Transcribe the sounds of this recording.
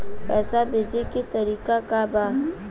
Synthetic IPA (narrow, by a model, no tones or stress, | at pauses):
pɛːsabʱeːd͡ʒeket̪ɐɾiːkakabaː